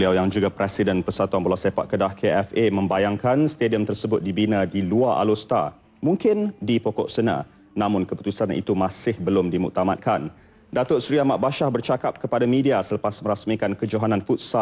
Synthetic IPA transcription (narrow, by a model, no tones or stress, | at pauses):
liawjaŋd͡ʒuɡapɾɛsidənpərsat̪uanbəlasepa̰ʔ̪̚kədahkʰeɛfemə̃mbajaŋkanst̪ediəmt̪ərsəbʊt̪̚dibinə̃diluaʔa̰lost̪a̰ | mũŋkɪndipɔkɔ̰ʔsənã̰ | nãmʊ̃nkəput̪usanḭt̪umãsɪhbəlʊmdimṵk̚t̪amat̪̚kʰan | dat̪ʊrsɾiamaʔ̚baʃahbərt͡ʃakap̚kəpadamidiasələpasmə̃ɾasmikankəd͡ʒoɦananfut̪̚sa